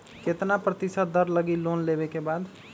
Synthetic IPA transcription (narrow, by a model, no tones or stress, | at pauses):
ket̪napɾət̪isət̪̚d̪əɾləɡilonlebekebad̪